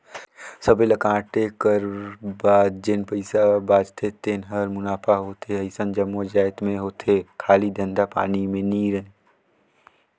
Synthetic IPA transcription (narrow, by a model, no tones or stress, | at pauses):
səbeləkãːʈekəɾbaːd̪d͡ʒɪnpəɪsabaːd͡ʒt̪ʰet̪eːnɦəɾmʊnaːpʰaɦoːt̪eɐɪsənd͡ʒəmːoəd͡ʒaːɪt̪mẽɦoːt̪ekʰaːlid̪ə̃nd̪apa̰ːnimẽniːɾə̃